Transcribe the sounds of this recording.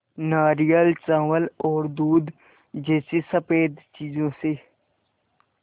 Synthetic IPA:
naːɾijəlt͡sãːʋwəlɔːɾd̪uːd̪ | d͡ʒeːsisəpeːd̪t͡ʃiːzõse

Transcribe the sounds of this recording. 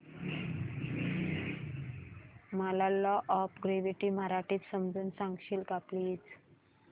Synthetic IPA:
malalɔʔɔpɡɾeʋiʈiːmaɾaʈiːt̪səmd͡zuːnsãŋɡɕiːlɡapliːt͡s

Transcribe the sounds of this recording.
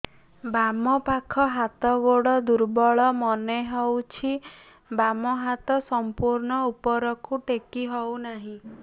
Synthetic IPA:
bamɔpakʰɔɦat̪ɔɡoɽɔd̪uɾbɔɭɔmɔneɦɔwt͡ʃʰi | bamɔɦat̪ɔsɔmpuɾɳɔupɔɾɔkʰuʈekiɦɔwnaɦĩ

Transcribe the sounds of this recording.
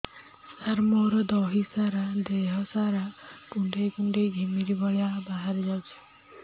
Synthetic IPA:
saɾmɔɾɔd̪ɔɦisaɾad̪eɦɔsaɾakuɳɖekuɳɖeɡʱimiɾibɔɭejabaɦaɾɔd͡ʒawt͡ʃʰi̥

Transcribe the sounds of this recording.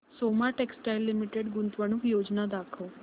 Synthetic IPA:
somaʈeksʈajlːimiʈeɖɡunt̪ʋəɽ̃ukjod͡ʑnad̪akʰəw

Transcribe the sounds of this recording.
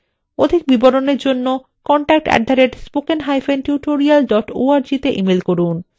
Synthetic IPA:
od̪ʱik̚biboɾoneɾd͡ʑonːo | kɔɳʈak̚ʈɛ̰ɖʱaɾeʈspokenɦajfʰenʈjuʈoɾialɖɔʈo̰aɾd͡ʑit̪eʔimelkoɾun

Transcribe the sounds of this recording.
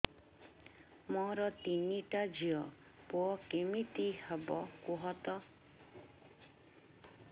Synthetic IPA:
mɔɾɔt̪iniʈad͡ʒʱiɔ | puɔkemit̪ihɔbɔkuɦɔt̪ɔ

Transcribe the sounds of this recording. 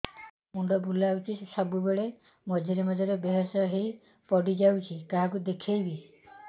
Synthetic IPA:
muɳɖɔbʱulawt͡ʃʰisesɔbubeɭe | mɔd͡ʒʱiɾimɔd͡ʒɔɾebeɦɔsɔɦej | pɔɽid͡ʒawt͡ʃʰikaɦakud̪ekʰejbi

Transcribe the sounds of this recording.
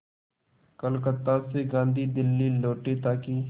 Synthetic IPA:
kəlkət̪ːaːseɡãːnd̪ʱiːd̪ɪlːiːloːʈet̪aːkiː

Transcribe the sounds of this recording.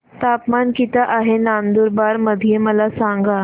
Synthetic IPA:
t̪apmankit̪aʔaɦenand̪uɾbaɾməd̪ʱijeməlasaŋɡa

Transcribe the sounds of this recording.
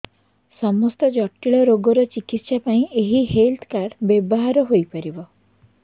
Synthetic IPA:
sɔmɔst̪ɔd͡ʒɔʈːiɭɔɾoɡɔɾɔt͡ʃikit̪sapaĩʔeɦihelt̪ʰkaɖbjebɔɦaɾɔɦojpɔɾibɔ

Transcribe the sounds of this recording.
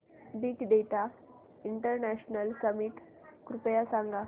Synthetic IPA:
b̪iːkɖ̪et̪a | iɳʈəɾnæɕnəlkəmiʈ | kɾupjasãŋɡa

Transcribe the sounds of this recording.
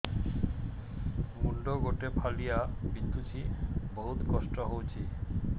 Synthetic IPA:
muɳɖoɡoʈepʰalijabind̪ʱut͡ɕʰiboɦut̪kɔʃʈoɦowt͡ɕʰi

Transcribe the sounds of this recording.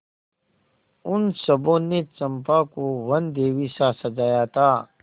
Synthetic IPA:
ʊnsɐbõnet͡ʃɐ̃mpaːkowɐnd̪eːwisaːsɐd͡ʒaːjat̪ʰaː

